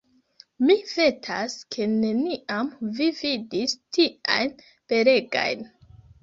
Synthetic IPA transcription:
mive̞tʰaskʰe̞ne̞niʔamvividistʰia̰jn | pe̞ɾe̞ɡa̰jn

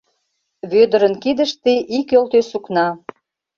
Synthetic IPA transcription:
βød̪ə̆ɾənkid̪ə̆ʃt̪iʔikølt̪øsuknɑ

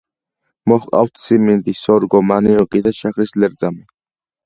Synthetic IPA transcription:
mɔχqʼa̰wt̪ʰsimind̪isɔɾɡɔmaniɔkʼid̪aʃakɾislɛɾd̪zami

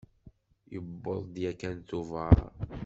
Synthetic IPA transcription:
jəbːoðˤd̪jækænt̪uvaɾ

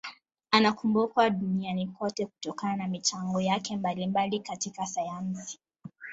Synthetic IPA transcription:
anakumbukwaɗunianikɔtɛku̥tɔkananamit͡ʃaŋɡɔjakɛmbalimbalikatikasajansi̥

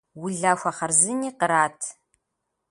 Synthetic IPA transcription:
wʊɮaːxʷɐχɐrzɨniːqəɾaːtʰ

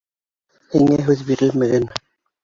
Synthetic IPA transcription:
hiŋæɦʉðbiɾɘlmɘ̆ɡæn

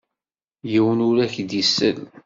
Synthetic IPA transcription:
jiwənʊɾæçd̪jisːə̰l

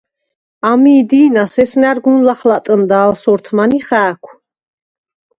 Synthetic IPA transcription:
amiːd̪iːnasɛsnaɾɡunlaχlat̪ʼənd̪aːlsɔɾt̪ʰmaniχæːkʷʰ

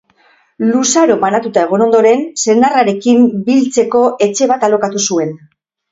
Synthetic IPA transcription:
lusaɾo̞manat̪ut̪ae̞ɣ̞o̞no̞nd̪o̞ɾe̞nse̞naraɾe̞kimbilt͡se̞ko̞ʔe̞t͡ʃe̞β̞at̪alo̞kat̪usue̞n

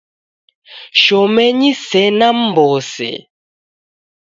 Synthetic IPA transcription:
ʃɔmɛɲisɛnam̩bɔsɛ̰

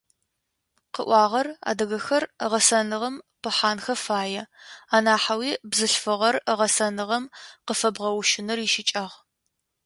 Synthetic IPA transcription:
qəʔʷɑːʁɐra̰ːdɐɣɐxɐrʁɐsɐnɨʁɐmpɨħaːnxɐfaːjɛaːnaːħawiːbzɨɬfɨʁɐrʁɐsɐnɨʁɐmqəfɐbʁɐwʃɪnɨriʃɪt͡ʃʼɐʁ

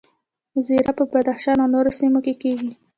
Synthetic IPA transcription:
ziɾapəbad̪axʃɑnawnoɾosimokekeɡi

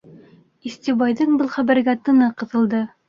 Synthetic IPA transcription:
ist̪ibɑjðɤɴbɤlˠχæβɘ̆ɾɡæt̪ɤ̆nɤqɤ̆ðɤ̆lˠd̪ɤ

